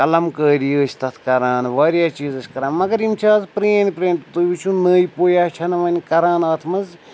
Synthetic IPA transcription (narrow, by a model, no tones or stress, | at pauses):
kɐlɐmkəːɾiəːt͡ʃʰʲt̪ɐt̪ʰkɐɾaːnʋaːɾjaːt͡ʃiːzɐsʲkɐɾaːnmɐɡɐɾimt͡ʃʰaːzpɾeːnpɾeːnʲt̪t̪ɨːʋit͡ʃʰunəːjipoːjaːt͡ʃʰɐnɐʋɐnʲkɐɾaːnaːt̪ʰmɐz